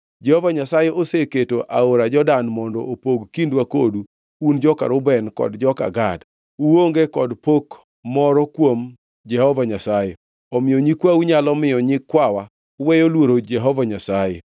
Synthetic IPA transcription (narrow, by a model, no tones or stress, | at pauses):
d͡ʒɛhɔvaɲasajɛʔoseketoʔʔa̰oɾad͡ʒɔdanmɔndɔopoɡkindwakodu | und͡ʒɔka̰ɾʊbɛnkɔ̰dd͡ʒɔka̰ɡad | uwoŋɡekɔdpok | mɔɾɔkwom | d͡ʒɛhɔvaɲasaje | ɔmɪjɔɲikwauɲalɔmɪjɔɲikwawa | uwejolwoɾod͡ʒɛɦɔvaɲasaje